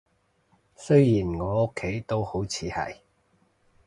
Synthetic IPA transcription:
sɵ˥ɥjiː˨˩nŋɔː˨˧ʊ˥kʰːe˨˥jt̪o˥who˨˥wt͡sʰiː˨˧hɐ̰˨j

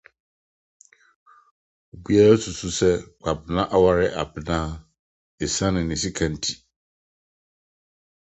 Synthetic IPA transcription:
o˨bi˦a˦ɾa˦sʰu˨su˦sɛ˦ɡ͡ba˨bɪ˨nã˦ʔa˦wa˨ɾɪ˦ʔa˨bɪ˨nãː˦ | e˨sã˦nɪ̃˨nɪ̃˨si˦kʰã˨n̩˨tʰi̥˨

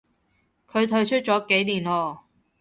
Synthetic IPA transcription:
kʰɵ˨˧ɥt̪ʰɵ˧ɥt͡ʃʰɵ˥t̚t͡sɔː˨˥ke˨˥jliː˨˩nɔː˧

